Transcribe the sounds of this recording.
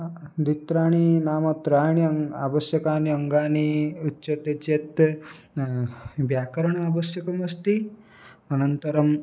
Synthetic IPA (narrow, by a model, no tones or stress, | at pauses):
d̪it̪ɾaːɳ̃inaːmɐt̪ɾaːjɳiɐŋa̰ːbɐsjɐkaːniɐŋɡaːniutːʃɐt̪ɐt͡ʃet̪ | bjaːkɐɾɐɳɐaːbɐsjɐkɐmɐst̪i | ɐnɐnt̪ɐɾɐm